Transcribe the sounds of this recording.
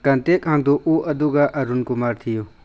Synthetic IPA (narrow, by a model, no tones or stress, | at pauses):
kɐnt̪ekɦãnd̪oʔuːʔɐd̪uɡaʔɐɾunkʊmaːɾt̪ʰijo